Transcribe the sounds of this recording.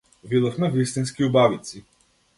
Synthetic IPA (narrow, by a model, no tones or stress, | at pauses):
vid̪ˠəxmɛvist̪inskiʊbavit̪si